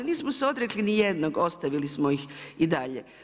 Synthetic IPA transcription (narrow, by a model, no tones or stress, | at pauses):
niːsmoseo̞d̪ɾeklinijed̪noɡo̞st̪aʋilismoixid̪aʎe